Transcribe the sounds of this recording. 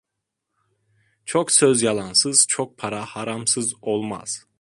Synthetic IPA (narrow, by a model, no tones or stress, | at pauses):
t͡ʃʰoksøzjalˠansɯz̥t͡ʃʰok̚pʰaɾahaɾamsɯzolˠma̰z̥